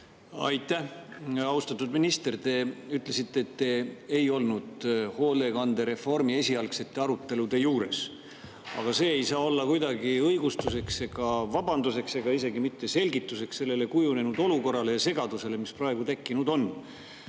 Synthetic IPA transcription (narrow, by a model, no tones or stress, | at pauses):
ɑ̰jt̪ːˑæhɑust̪ɑt̪ːˑud̪minist̪e̞rt̪e̞yt̪ːˑle̞sit̪ːeːt̪ːe̞ejo̞lnud̪̥ho̞ːle̞ɡɑnd̪̥e̞ɾe̞fo̞rmie̞sʲiɑlkse̞t̪ːeɑɾut̪ːe̞lud̪e̞juːɾe̞̰s | ɑ̰ɡ̥ɑse̞ːejsɑːo̞lːɑkujd̪ɑɡiɤjɡust̪use̞kseɡ̥ɑvɑb̥ɑnd̪̥use̞kse̞ɡ̥ɑise̞ɡimit̪ːe̞se̞lʲɡit̪ːˑuse̞ksse̞lːe̞le̞kujune̞nud̪o̞luko̞rːɑle̞jɑse̞ɡ̥ɑd̪use̞le̞misprɑe̞ɡ̥ut̪e̞kːinud̪o̞n